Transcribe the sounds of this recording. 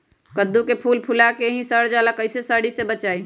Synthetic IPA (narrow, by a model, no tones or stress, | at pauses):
kəd̪ːukepʰulpʰulakeɦĩsəɽd͡ʒalakəɪsesəɽisebət͡ʃaːi